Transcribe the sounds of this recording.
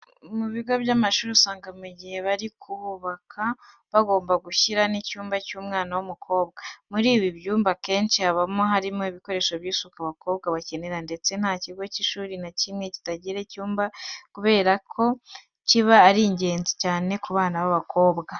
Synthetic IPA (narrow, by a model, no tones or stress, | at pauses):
muβiɡo̞βjamaʃuːɾiusaːŋɡamuɟihe̞βaɾikʰuβuβakʰa | βaɡo̞ːmbaɡuçiɾanicuːmbacuːmŋaːnawumukʰo̞ːbɡamuɾiːβibjuːmbake̞ːnt͡ʃihaβamoɦaɾimoiβiko̞ɾe̞ːʃo̞βjiːsukaβako̞ːβɡaβace̞ne̞ɾande̞t͡se̞n̥haːciɡo̞ciʃuːɾinacimŋe̞ci̥taɟiɾe̞cuːmbakuβe̞ːɾakʰo̞ | ciβaːɾiɲɟe̞ːnzicaːne̞kuβaːnaβaβako̞ːbɡa